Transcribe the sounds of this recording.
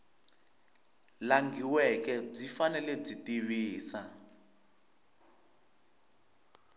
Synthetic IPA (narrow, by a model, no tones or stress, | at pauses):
laŋɡiwɛkɛb͡ʐifanɛlɛb͡ʐitiβiːsa